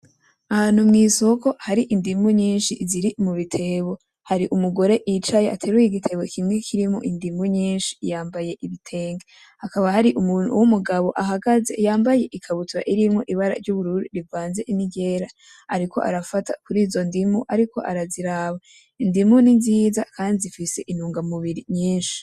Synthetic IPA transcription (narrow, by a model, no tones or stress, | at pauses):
ahaːn̥umŋiːsoko̞haɾiʔindimuɲiːnʃiziɾimuβitʰe̞βo̞ | haɾiʔumuɡo̞ɾe̞ʔit͡ʃajeʔatʰe̞ːɾujiɡitʰe̞βo̞kʰimŋe̞kʰiɾimŋo̰ʔindimuɲiːnʃi̥jaːmbaje̞ʔiβitʰe̞ːŋɡa | hakaβahaɾiʔumunṵwumuɡaβo̞ʔaɦaɡazejaːmbaje̞ʔikʰaβutuɾa̰ʔiɾimŋo̞ʔiβaɾa̰ɾɟuβuɾuɾiɾivaːnze̞ʔiniɟe̞ːɾa | aɾikʰo̞̰ʔa̰ɾafata̰kuɾiːzo̞ndimuʔaɾikʰo̞̰ʔaɾaziɾaːβa | indimuninzizakaːndizifise̞ʔinuːŋɡamuβiɾiɲiːnʃi̥